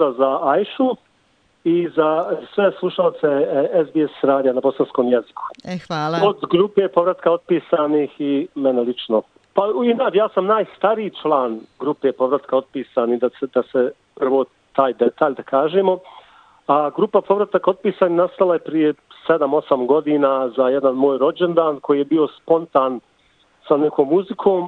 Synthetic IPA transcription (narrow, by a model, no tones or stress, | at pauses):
azaajʃu | izasʋeslˠuʃaot̪seezbiesɾaːd̪ijanabo̞sansko̞ːmjezi̥ku̥aːlod̪ɡɾuːpepo̞ʋɾat̪kao̞d̪̚piːsaːniːximenelit͡ʃno | painaːt͡ʃjaːsamnaːjst̪aɾiːt͡ʃlˠaːnɡɾupeːpo̞ʋɾat̪kao̞d̪̚piːsaːnid̪ased̪ase | pr̩ʋo̞ː | t̪aːjd̪et̪aːʎʲd̪akʰaːʒeːmo̞ | aɡɾupapo̞ʋɾat̪ako̞d̪̚piːsaːnihnast̪alˠajepɾijesed̪amo̞samɡo̞d̪iːnaːzajɛd̪anmo̞ːjɾo̞d͡ʒe̞nd̪aːnkojiːjebio̞spo̞nt̪aːn | sanekʰo̞ːmːuzikʰo̞ːm